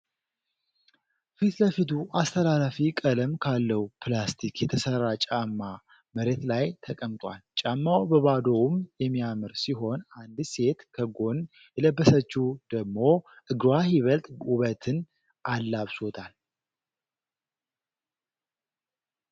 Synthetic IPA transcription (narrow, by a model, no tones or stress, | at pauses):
fit̪ləfit̪ʰuʔast̪ʰəlalafikʼələmkʰalːəwpʰlast̪ʰikjɛt̪ʰəsərːat͡ʃʼamːa | məɾe̞t̪lajt̪ʰəkʼəmt̪ʼwʷalt͡ʃʼamːawbəβad̪o̞wmjɛmːijamɨɾsiɦo̞nand̪se̞t̪kʰəɡo̞n | jɛləbːəsət͡ʃːud̪̥əɡmo̞ | ʔɨɡɾwahiβəlt̪ʼuβət̪ʰɨn | ʔalːaβsot̪ʰal